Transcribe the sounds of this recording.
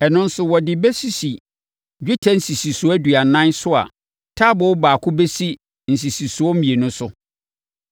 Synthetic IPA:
ɛ˨nʊ̃˦n̩˦sʊ˨wɔ˨dɪ˨bɛ˦si˨si˨ | d͡ʑᶣu˦tʰa˨n̩˨si˨si˨sʊ˨˦æ˦dɥa˨nã˦nsʊ˦a̰˨ | tʰaː˦bɔ˨wʊ˦baː˨kʰʊ˦be˦si˦ | n̩˨si˨si˨su˨˦ɔ˦m̩˦mĩ˨e˨nʊ̃˦sʊ˦

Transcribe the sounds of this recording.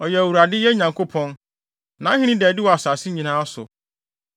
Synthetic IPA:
ɔ˨jɛ˨æ˨wu˨ɾa˨dɪ˦jɛ˦ɲã˨ŋkʰo˦pʰɔ̃˦n | nã˨˦ɦɪ̃˦ñĩ˦dɛ˨dɪ˦wɔ˨a˨saː˨sɪ˦ɲĩ˨nãː˦a˦sʊ̰˨

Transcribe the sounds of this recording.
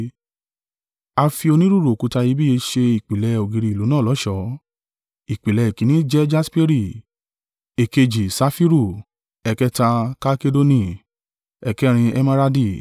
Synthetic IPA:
a˧fi˧o˧nĩ˦ɾu˦ɾo˨ku˨˧˦ta˧ji˨˦bi˦e˧ʃe˧i˨k͡pi˨lɛ˧o˨ɡĩ˨ɾi˧˨lu˨˦nãː˦˨lɔ˨˦ʃɔ˧˦ | i˨k͡pi˨lɛ˨˧i˨kĩ˨˦nĩ˦d͡ʒɛ˦d͡ʒa˦spe˦ɾi˦˨ | e˨ke˧d͡ʒi˨sa˧˦fi˦ɾu˦˨ | ɛ˨kɛ˦ta˧ka˧ke˦do˦nĩ˧ | ɛ˨kɛ˦ɾ̃ĩ˧ɛ˧ma˦ɾa˦di˦˨

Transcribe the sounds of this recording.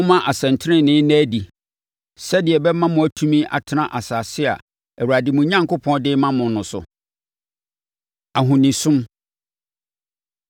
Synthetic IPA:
ʊ̃˦mã˦ʔa˨sɛ̃˨n˨tʰɪ˦ɾɪ̃˦nɪ̃˦næ˦di˨ | sɛ˦dɪ˨ɛ˨bɛ˦mã˦mʊ̃˨æ˨tʰũ˦mĩ˦ʔa̰˨tʰɪ˨nã˨ʔa˨saː˨sɪ˦a̰˨ | ɛ˨wu˨ɾa˨dɪ˨mʊ̃˨˦ɲã˦ŋkʊ˦pʰɔ̃˦ndɪ˦mã˦mʊ̃˨n˦nʊ̃˨sʊ̰˨ | a˨ɦʊ̃˨nĩ˨sʊ̃˦m

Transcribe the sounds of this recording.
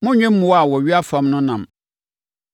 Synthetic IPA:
mʊ̃˦ɲᶣɛ̃˦m̩˦mʊ̃˨wa˨wɔ˨ɥi˦a˦fã˦mnʊ̃˦nã˨m

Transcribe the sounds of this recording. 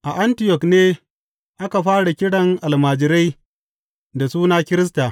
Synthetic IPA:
ʔa˨ʔa˦ntɪ˨jɔ˨kneː˦ | ʔa˦ka˨ɸaː˦ɽa˨kʲɪ˦ɽɐ˨ŋʔa˨lmaː˨d͡ʒɪ˨ɾa˦j | da˨suː˦naː˦kʲɪ˦ɾɪ˦s̬taː˨

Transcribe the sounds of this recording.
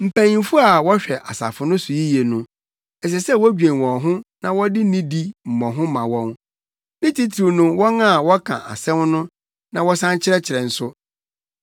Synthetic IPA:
m̩˨pʰæ̃˨ɲĩ˨m˦fʊ˦a˨wɔ˦ɕᶣɛ˨ʔa˨sa̰˨fʊ˨nʊ̃˦sʊ˨ji˦je˨nʊ̃˦ | ɛ˨s̬ɛ˨sɛ˦˨wɔ˦d͡ʑᶣɛ̃˨wɔ̃˨ɦʊ̃˦nã˨wɔ˦dɪ˦nĩ˦di˦m̩˨mɔ̃˨ɦʊ̃˦mã˨wɔ̃˦n | nɪ̃˦tʰi˦tʰɾu˨nʊ̃˦wɔ˦nã˦˨wɔ˦kʰã̰˨ʔa̰˨sɛ̃˦mnʊ̃˦ | nã˨wɔ˦sã˦ɲt͡ɕʰɪ˦ɾɛ˦t͡ɕʰɪ˨ɾɛ˨n̩˨sʊ˦

